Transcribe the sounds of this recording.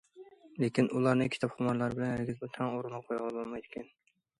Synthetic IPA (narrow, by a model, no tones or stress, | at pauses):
lekʲinʔulˠɑɾnɨkʲʰt̪ʰɑpχʊmɑɾlˠɑɾbɪlɛnɪɾɡʲɪzbot̪ʰæŋoɾɨnɨqʰojʁɑlˠbolˠmɑjd̪ɪkʲʰɛn